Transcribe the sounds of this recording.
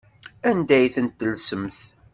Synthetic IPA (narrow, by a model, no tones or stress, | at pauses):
ænd̪æjθənt̪ːəlsəmθ